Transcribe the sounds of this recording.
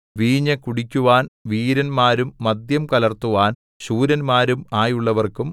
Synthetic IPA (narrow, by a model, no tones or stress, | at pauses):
ʋiːɲːɐkuɽikʲːuʋaːnʋiːɾɐnmaːɾumːɐd̪jɐmkɐlɐrt̪uʋaːn | ɕuːɾɐnmaːɾumaːjuɭːɐʋɐrkum